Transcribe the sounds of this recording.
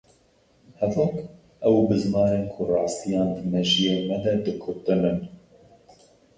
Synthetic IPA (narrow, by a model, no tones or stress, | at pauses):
hɛvʊk | ʔɛwbɨzmɑːɾeːnkʰʊrɑːst̪ijɑːnd̪ɨmɛʒijeːmɛd̪ɛd̪ɨkʰʊpt̪ɨnɨn